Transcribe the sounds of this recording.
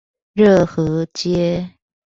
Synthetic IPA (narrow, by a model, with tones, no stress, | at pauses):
ɻɤ˥˩xɤ˧˥t͡ɕjɛ˥